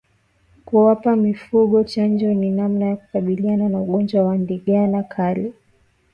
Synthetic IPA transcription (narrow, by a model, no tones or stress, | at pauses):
kuwapamifuɠɔt͡ʃand͡ʒɔninamnajaku̥kaɓiliananauɠɔnd͡ʒwawandiɠanakʰali